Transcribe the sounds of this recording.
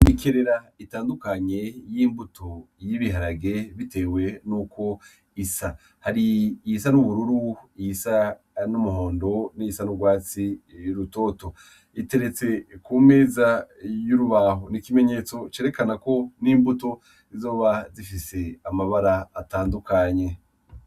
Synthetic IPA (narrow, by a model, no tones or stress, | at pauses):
nikeɾeɾaitaːndukaɲe̞jiːmbutʰojiβiɦaɾaɡe̞βite̞ːwe̞nuko̞ | isa | haɾis̬anuβuɾuɾuiisa | numuho̞ːndo̞niisanuɡwaːt͡sijuɾuto̞ːto̞ | ite̞ɾe̞t͡se̞kuːmeːzajuɾuβaːɦonikime̞ɲe̞t͡so̞t͡ʃeːɾe̞kanako̞niːmbuto̞ | izo̞ːβazifise̞amaβaɾaːtaːndukaɲe̞